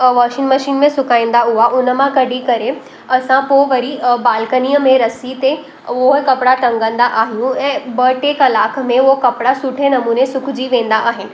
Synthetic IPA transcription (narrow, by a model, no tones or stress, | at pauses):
ʋaːʃɪ̃ŋmɐʃiːnmẽsʊkaːĩn̆d̪aɦʊɦaʔʊnə̆mãkɐɖʱikɐɾe | ɐsãpoʋɐɾibaːlkəniːəmẽɾɐsit̪e | oɦkɐpɽaʈ̪ɐ̃ŋɡə̃nd̪aʔaːɦijũɛ̃ːbɐʈeːkɐlaːkʰmẽoɦkɐpɪɽasʊʈʰenɐmuːnesʊkʰd͡ʑiʋẽːn̆d̪aʔaːɦɪnɪ̆